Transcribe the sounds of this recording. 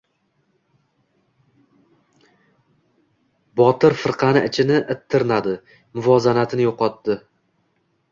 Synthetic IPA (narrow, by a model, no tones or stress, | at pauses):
bɒt̪ɪɾfɨɾqʰɑnɪʔɪt͡ʃʰɪnɪʔɪt̪ʰːɪɾnad̪ɪ | mʊvɒzanat̪ʰɪnɪjoqɒt̪ːɪ